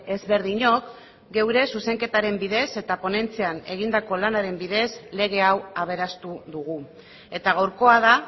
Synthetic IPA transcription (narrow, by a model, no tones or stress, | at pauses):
e̞zβe̞ɾðiɲo̞k | ɡe̞wɾe̞suse̞ŋke̞t̪aɾe̞mbiðe̞se̞t̪apo̞ne̞nt͡seane̞ɣ̞ind̪ako̞lanaɾe̞mbiðe̞sle̞ɣ̞e̞awaβ̞e̞ɾast̪uðuɣ̞u | e̞t̪aɣawɾko̞að̞a